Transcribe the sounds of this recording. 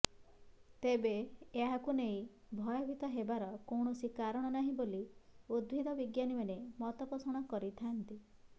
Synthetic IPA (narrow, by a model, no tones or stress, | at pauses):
t̪ebeːɦakunej̃ | bʱɔjɔbʱit̪ɔɦebaɾɔkowɳ̃ɔsikaɾɔɽ̃ɔnaɦĩboliud̪̚bʱid̪ʱɔbiɡjanimanemɔt̪ɔpɔsɔɽ̃ɔkɔɾit̪ʰant̪i